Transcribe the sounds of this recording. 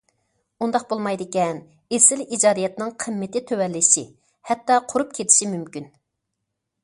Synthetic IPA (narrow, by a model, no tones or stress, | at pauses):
und̪ɑq̚bolˠmɑjd̪ɪkʲɛn | esɪlid͡ʒɑːd̪ijɛt̪nɪŋqʰəmːɪt̪ɪt̪ʰøwɛlːɪʃḭ | hɛt̪ːɑqʰʊɾup̚kʲʰet̪ʰɪ̥ʃimymkʲyn